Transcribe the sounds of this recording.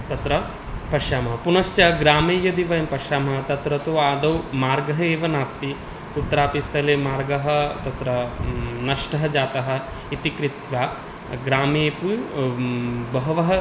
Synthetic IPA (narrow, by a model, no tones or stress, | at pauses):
t̪ɐt̪ɾɐ | pɐʂaːmɐɦɐpunɐʃt͡ʃɐɡɾaːmeːjɐd̪iʋɐjɐmpɐʃaːmɐɦɐt̪ɐt̪ɾɐt̪oːaːd̪ɐwmaːɾɡɐɦɐeːʋɐnaːst̪i | ut̪ːɐɾaːpist̪ʰɐleːmaːɾɡɐɦɐ̆t̪ɐt̪ɾɐnɐʂʈɐɦɐd͡ʒaːt̪ɐɦɐ̆ | it̪ikɾit̪ʋaː | ɡɾaːmeːpu | bɐɦɐʋɐɦɐ